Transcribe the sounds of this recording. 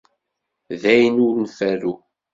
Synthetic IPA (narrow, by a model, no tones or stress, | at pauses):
ðæjnʊɾnfæɾu